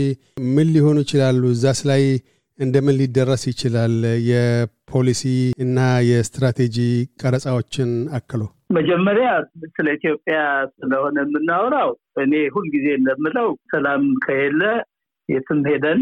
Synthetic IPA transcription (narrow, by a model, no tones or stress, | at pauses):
mɨlːjɪho̞nujɪt͡ʃɪlalːuzːaslaj | ɨnd̪əmɨnlid̪ːərːəsjɪt͡ʃɪlaljɛpʰo̞lisiɨnːajɛst̪ɾat̪ʰe̞d͡ʒikʼəɾəsʼawo̞t͡ʃːɪnakːɨlow | məd͡ʒɛmːəɾjasɨləit̪jo̞pʼːjasɨləho̞nəmːɨnːawɾaw | ʔɨnehulːɡizeɨnd̪əmːɨləwsəlamkʰəhɛlːə | jɛt̪ʰɨmhed̪ən